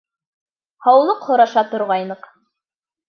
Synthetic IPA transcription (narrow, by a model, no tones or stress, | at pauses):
hɑwlˠɤqhŏɾɑʃɑt̪ŏɾʁɑjnɤq